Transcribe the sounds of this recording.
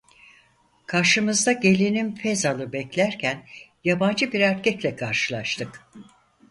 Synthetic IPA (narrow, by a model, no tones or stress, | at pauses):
kʰaɾʃɯmɯzd̪aɟe̞lʲininfɛzalˠɯbɛclʲæɾcʰænjaband͡ʒɯbiɾæɾcʰɛclʲɛkʰaɾʃɯlˠaʃt̪ʰɯk